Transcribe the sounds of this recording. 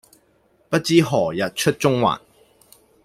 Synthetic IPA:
pɐ˥t̚t͡siː˥ɦɔː˨˩jɐ˨t̚t͡ʃʰɵ˥t̚t͡sʊ˥ŋwa̰ː˨˩n

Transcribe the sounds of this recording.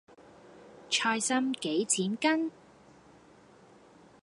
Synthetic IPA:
t͡ʃʰɔː˧jsɐ˥mke˨˥jt͡sʰiː˨˥nkɐ˥n

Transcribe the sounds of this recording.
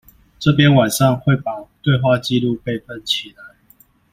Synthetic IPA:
ʈ͡ʂɤ˥˨p̬jɛ˦nwa˨˩nʂɑ˥˨ŋxwe˥˨ɪpɑ˨˩t̪we˥˧ɪxwa˥˨t͡ɕi˥˧lu˥˧pe˥˨ɪfə˥˦˩nt͡ɕʰi˨la˨˦ɪ

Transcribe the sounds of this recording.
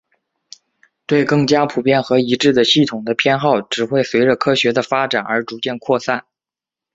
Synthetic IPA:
t̪we˥˧ɪkɤ˥˩ŋt͡ɕja˥pʰu˨˩pjɛ˥˩nxɤ˧˥i˧˥ʈ͡ʂɻ̩˥˩d̪ə˩ɕi˥˩t̪ʰʊ˨˩ŋd̪ə˦pʰjɛ˥nxɑ˥˩ʊʈ͡ʂɻ̩˨˩xwe˥˩ɪswe˧˥ɪʈ͡ʂə˧kʰɤ˥ɕɥɛ˧˥d̪ə˧fa˥ʈ͡ʂa˨˩nə̰˞˧˥ʈ͡ʂu˧˥t͡ɕjɛ˥˧nkʰwɔ˥˧sa˥˩n

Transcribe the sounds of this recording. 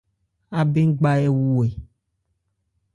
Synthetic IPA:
a˨be˦ŋ̩˦ɡ͡ba˦e˦wu˦˨e˨

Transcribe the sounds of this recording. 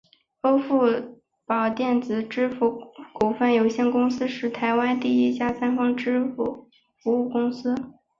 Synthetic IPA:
fo˥fu˥˩ | pɑ˨˩ʊt̪jɛ˥˩nt͡sɹ̩˨˩ʈ͡ʂɻ̩˥fu˧˥ku˨˩fə˥˩njo˨˧ʊɕjɛ˥˩nkʊ˥ŋsɹ̩˥ʂɻ̩˥˩t̪ʰa˧˥ɪwa˥nt̪i˥˩i˥t͡ɕja˥˩sa˥nfɑ˥ŋʈ͡ʂɻ̩˥fu˨˩ | fu˧˥u˥˩kʊ˥ŋsɹ̩˥

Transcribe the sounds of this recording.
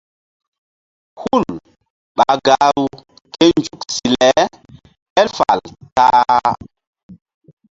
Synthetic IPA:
hu˦˨l | ɓa˨ɡa˨ɾu˨ | te˦nd͡ʒu˨ksi˨lɛ˨˦ | hɛ˦lfa̰˨lta˦

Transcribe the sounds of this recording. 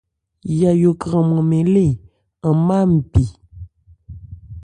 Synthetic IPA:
ja˨jo˨kɣə˨mə˨me˨le˦˨ | ə˨ma˦m̩˨pi˨

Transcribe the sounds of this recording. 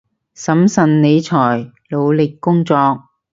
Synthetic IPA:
sɐ˨˥msɐ˨nne˨˧jt͡sʰɔː˨˩jlo˨˧wlɪ˨kːʊ˥ŋt͡sɔː˧k̚

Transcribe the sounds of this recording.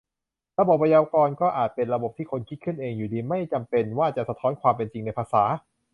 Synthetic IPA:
ɾa˧bo˨˩p̚ːa˧jaː˧kɔː˧nkɔː˥˩ʔaː˨˩t̪̚pe˧nɾa˧bo˨˩p̚t̪ʰiː˥˩kʰo˧nkʰi˦˥t̪̚kʰɯ˥˩nʔeː˧ŋjuː˨˩diː˧ma˥˩jt͡ɕa˧mpe˧nwaː˥˩t͡ɕa˨˩sa˧t̪ʰɔː˦˥nkʰwaː˧mp̬e˧nt͡ɕi˧ŋna˧jpʰaː˧saː˩˦

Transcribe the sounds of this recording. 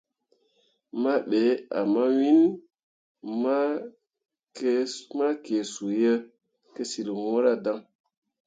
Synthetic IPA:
ma˦ɓe˨˦a̰˨ma˦wi˦n | ma˦ | kma˦ke˨su˨jə˦ | ke˦si˨lwõ˦ɾa˦da˦ŋ

